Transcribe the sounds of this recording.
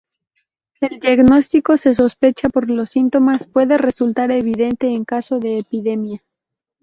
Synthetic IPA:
e̞ld̪jaɣno̞st̪iko̞se̞s̬o̞spe̞t͡ʃapo̞ɾlo̞sint̪o̞maspwe̞ðe̞re̞sult̪aɾe̞βiðe̞nt̪e̞ːŋkaso̞ðe̞ːpiðe̞mja

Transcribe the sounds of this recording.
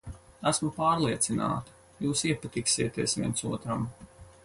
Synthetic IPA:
æsmupaːɾlˠiɛt̪sina̰ːt̪ḁ | juːsiɛpat̪iksiɛt̪iɛsʋʲiɛnsuɔt̪ɾam

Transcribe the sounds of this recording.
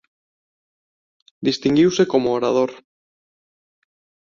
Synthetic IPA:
d̪ist̪iŋɡiwsekomoːɾað̞oɾ

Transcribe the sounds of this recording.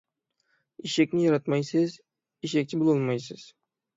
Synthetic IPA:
iʃekʲnɪjɑɾɑt̪mɑjsɪz | iʃek̚ʲt͡ʃʰɪbulˠolˠmɑjsɪz̥

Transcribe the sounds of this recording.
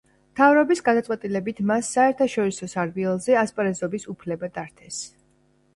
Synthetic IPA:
mt̪ʰavɾɔbisɡad̪at̪ʼwɛt̪ʼilɛbit̪ʰmasːaɛɾt̪ʰaʃɔɾisɔsaɾbiɛlˠzɛaspʼɾɛzɔbisupʰlɛbad̪̥aɾt̪ʰɛs

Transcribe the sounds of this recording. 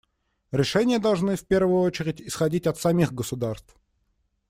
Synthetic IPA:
ɾʲɪʂɛnʲɪjəd̪ɐlˠʐnɨfpʲe̞rvʊjʊot͡ɕɪɾʲɪtʲɪsxɐdʲitʲɐt̪sɐmʲixɡəsʊd̪arst̪f

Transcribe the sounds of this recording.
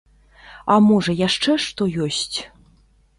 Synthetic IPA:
amɔʐɐjaʂt͡ʂɛʂt̪ɔjɔsʲt͡sʲ

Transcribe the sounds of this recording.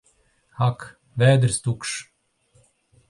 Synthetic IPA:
hak | vɛːd̪ɾst̪ukʂ

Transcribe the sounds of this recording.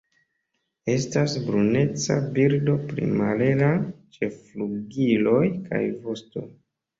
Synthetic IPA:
e̞stasbɾune̞t͡sa̰biɾdo̞pɾḭmale̞lat͡ʃe̞fluɡilo̞jka̰jvo̞sto̞

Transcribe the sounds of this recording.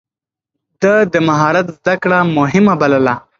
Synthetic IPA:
d̪əd̪əmaɦɑɾat̪zd̪akɽamʊɦɪmabaləla

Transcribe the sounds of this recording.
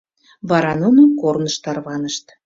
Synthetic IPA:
βɑɾɑnunəkornəʃt̪ɑrβɑnəʃt̪

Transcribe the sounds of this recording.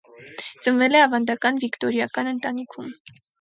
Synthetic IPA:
t͡sənvɛlɛɑvɑnd̪ɑkɑnvikt̪ɔɾjɑkɑnənt̪ɑnikʰum

